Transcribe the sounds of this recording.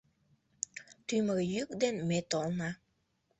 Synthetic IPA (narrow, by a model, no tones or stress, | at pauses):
t̪yməɣejykd̪enmet̪olnɑ